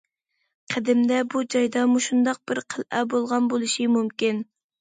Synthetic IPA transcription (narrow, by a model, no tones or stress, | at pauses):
qʰəd̪ɪmd̪ɛbud͡ʒɑjd̪ɑmuʃund̪ɑq̚b̥ɪɾqʰəlˠʔɛbolˠʁɑnbolˠuʃimumkʲin